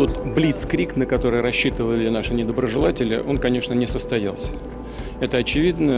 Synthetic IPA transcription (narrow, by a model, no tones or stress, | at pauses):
o̞t̪blʲit̪skɾʲiknəkɐt̪o̞ɾɨjɾɐɕːit̪əvəlʲɪnaʂɨnʲɪd̪əbɾəʐɨlˠatʲɪlʲɪ̰ʔo̞nkɐnʲe̞ʂnənʲɪsəst̪ɐja̰lˠsʲə̥ | ɛt̪əɐt͡ɕɪvʲid̪nə